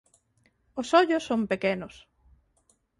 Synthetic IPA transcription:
osɔʎosːompekenʊs

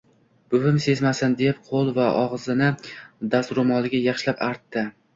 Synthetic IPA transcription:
b̥ʊvɪmse̞zmasɪnd̪ep̚qʰolˠvaʔɒʁzɪnɪd̪ast̪ɾʊmɒlˠɪɡʲajɑχʃlapaɾt̪ːɪ

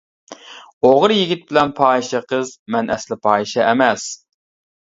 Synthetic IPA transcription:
oʁɾjiɡʲit̪̚bɪlɛnpʰɑːiʃɛqʰəzmɛnʔɛslɪpʰɑːiʃɛʔɛmɛs

